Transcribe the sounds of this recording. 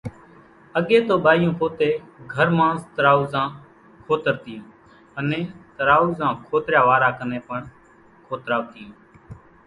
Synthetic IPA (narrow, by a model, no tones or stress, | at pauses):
əɠeːt̪oːɓaːjõːpoːt̪eːɡʱəɾmãːst̪ɾaːuːzãː | kʰoːt̪əɾt̪ɪjũː | ənẽːt̪ɾaːuːzãːkʰoːt̪ɾjaːʋaːɾaːkəneːpəɳ | kʰoːt̪ɾaːʋt̪ɪjũː